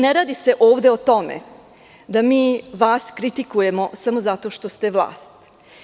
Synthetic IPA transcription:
neɾaːd̪ise̞ʔo̞ːʋd̪e̞ot̪o̞mḛ | d̪amiːʋaːskɾit̪ikuje̞mo̞samo̞zat̪o̞ʃt̪ost̪eʋlˠa̰ːst̪

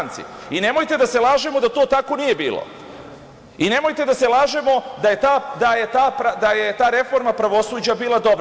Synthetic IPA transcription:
nt̪sḭine̞mo̞jt̪e̞d̪ase̞laːʒe̞mod̪at̪o̞ːt̪ako̞nije̞bḭːlˠo̰ | ine̞mo̞jt̪e̞d̪ase̞lˠaːʒemo̞d̪aje̞t̪aːd̪aje̞t̪aːpɾad̪ajet̪aːɾe̞fo̞ɾmapɾaʋo̞suːd͡ʑabiːlˠad̪o̞bɾ

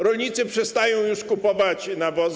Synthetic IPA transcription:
ɾɔlɲit̪sɘpʂɛst̪ajɔ̃w̃juʂkupɔvat͡ɕnavɔz

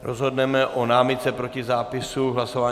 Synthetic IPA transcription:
ɾozɦo̞dnɛmɛʔʔonaːmɪt̪t͡sɛpɾo̞cɪzaːpɪsuɦlasovaː

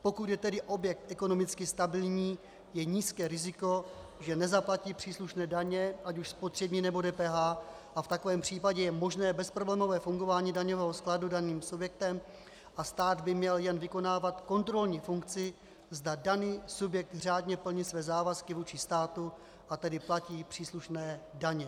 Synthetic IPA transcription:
po̞kut̪jɛt̪ɛdɪʔo̞bjɛk̚t̪ʔɛko̞no̞mɪt͡skɪst̪abɪlɲiː | jɛɲiːskɛːɾɪzɪko̞ʒɛnɛzaplaciːpr̥iːsluʃnɛːdaɲɛʔacuʃspo̞t̪r̥ɛbɲiːnɛbo̞dɛːpɛːɦaː | ʔaft̪ako̞vɛːmpr̝̥iːpaɟɛjɛmo̞ʒnɛːbɛspɾoblɛːmo̞vɛːfuŋɡo̞vaːɲiːdaɲovɛːɦo̞skladudaniːmsubjɛk̚t̪ɛm | ʔast̪aːd̪bɪmɲɛljɛnvɪko̞naːvat̪ko̞nt̪ɾo̞lɲiːfuŋkt͡sɪ | zdadaniːsubjɛk̚t̪r̝aːdɲɛpl̩ɲɪsvɛːzaːvaskɪvuːt͡ʃɪst̪aːt̪u | ʔat̪ɛdɪplaciːpr̥iːsluʃnɛːdaɲɛ

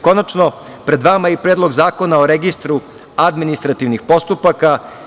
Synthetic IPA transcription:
ko̞nat͡ʃno̞ | pɾe̞d̪ʋamaipɾed̪lˠo̞ɡzaːko̞naoɾeɡist̪ɾu | ad̪minist̪ɾat̪iʋnixpo̞st̪upaka

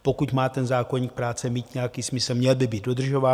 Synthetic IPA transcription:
po̞kucmaːt̪ɛnzaːkoɲiːk̚pɾaːt͡sɛmiːt̪ɲɛjakiːsmɪsl̩mɲɛlbɪbiːd̪̚do̞d̪r̩ʒo̞vaː

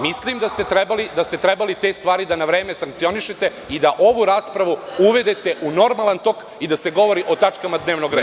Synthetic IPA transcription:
mislimd̪ast̪e̞t̪ɾebalid̪ast̪e̞t̪ɾebalit̪e̞ːst̪ʋaːɾid̪anaʋɾe̞ːmesaŋkt̪sio̞niʃet̪e̞ | id̪aʔo̞ʋuɾaːspɾaʋuuʋe̞d̪et̪e̞ʔuno̞ɾmalant̪o̞k | id̪ase̞ɡo̞ʋo̞ɾiʔo̞t̪at͡ʂkamad̪ne̞ːʋno̞ɡɾea

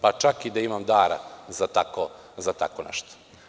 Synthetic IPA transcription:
pat͡ʃakid̪aimamd̪aːɾa̰zat̪ako | zat̪a̰konɛ̰ʃt̪o̥

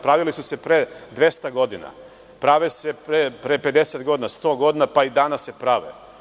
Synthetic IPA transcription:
pɾaʋilisuse̞pɾed̪ʋe̞st̪aɡo̞d̪ina̰ | pɾaʋesepɾepɾepe̞d̪eset̪ɡo̞d̪inast̪o̞ːɡo̞d̪inapaid̪aːnasːe̞pɾaʋḛ

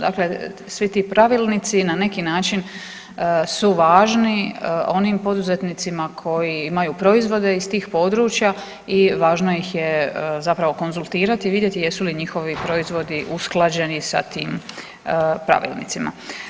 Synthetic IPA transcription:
d̪a̰kle̞ | sʋit̪iːpɾaʋiːlnit̪sinane̞kinaːt͡ʃin | suʋaːʒnio̞nimpo̞d̪uze̞t̪nit̪simakʰo̞jiimajuːpɾo̞izʋo̞d̪e̞ist̪iːxpo̞d̪ɾuːt͡ʃja | iʋaːʒno̞jixjezapɾaʋo̞ko̞nzulˠt̪iːɾat̪iʋid̪je̞t̪ije̞suliɲixo̞ʋipɾo̞izʋo̞d̪iʔusklˠad͡ʑe̞nisa̰t̪iːm | pɾa̰ʋḭːlnḭt̪sima̰

